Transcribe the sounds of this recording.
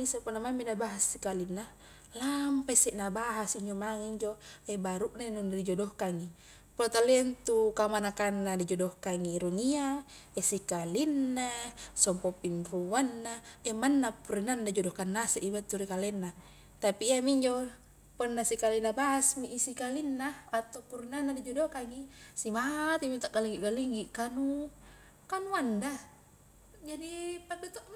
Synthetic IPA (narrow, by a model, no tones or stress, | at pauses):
isapunːamaminabaɦasːikalinːa | lampasɛʔnabaɦasiɲd͡ʒomaŋiɲd͡ʒoebaɾuʔnainundid͡ʒodohkaŋi | pot̪alent̪ukamanakanːadid͡ʒodohkaŋiɾuŋia | esikalinːasɔmpopimpuanːaemanːapuɾinandad͡ʒɔdɔkanːaseʔibat̪ːuɾikalɛnːa | t̪apiːamiɲd͡ʒo | pɔnːasikalinabasmiʔːsikalinːaat̪okuɾinanːadid͡ʒɔdokaŋisimat̪imit̪aʔkaliŋɡiʔɡaliŋɡiʔkanu | kanuanda | d͡ʒadipadut̪ɔʔ